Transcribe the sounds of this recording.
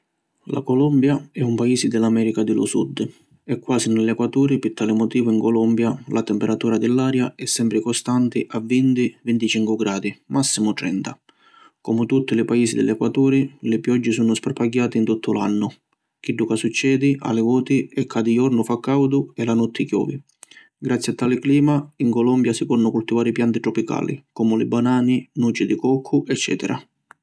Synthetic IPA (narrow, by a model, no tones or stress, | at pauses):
la̰kɔlɔmbjaɛumpaiːsɪd̪ɪlːamɛːɾikad̪ɪlʊ̰sṵd̪ː | ɛkːwaːsinɪlːɛkwat̪uːɾɪpɪɾt̪aːlɪmɔt̪iːvʊiŋkɔlɔmbjalat̪ɛmpɛɾat̪uːɾad̪ɪlːaːɾjaɛsːɛmpɾɪkɔst̪ant̪ɪʔavːint̪ɪvɪnt̪it͡ʃiŋkʊɡɾaːd̪imasːimʊt̪ɾɛ̰nt̪a | kɔmʊt̪ut̪ːɪlɪpaiːsid̪ɪ̰lːɛkwat̪uːɾilɪpjɔd͡ʒːɪsunʊspaɾpaɡjaːt̪ɪint̪ut̪ʰːʊla̰nːʊ | kiɖːukasut͡ʃːɛːd̪ia̰lɪvɔːt̪iɛkʰːad̪ijɔɾnʊfakːawd̪ʊɛlanɔt̪ʰːɪkjɔ̰ːvi | ɡɾat̪sːjat̪ːaːlɪkliːmaiŋkɔlɔmbjasikɔrnːʊkult̪ivaːɾipjant̪it̪ɾɔpika̰ːlḭkɔːmʊlɪ̰banaːninuːt͡ʃid̪ikɔkʰːʊʔɛt͡ʃːɛ̰ːt̪ɛ̰ɾʔa̰